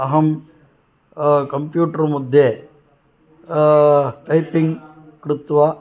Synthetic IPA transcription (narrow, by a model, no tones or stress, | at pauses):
ɐɦɐm | kɐmpjuːʈɐɾmud̪ʱje | ʈɐjpiŋɡ | kɾut̪ʋɐ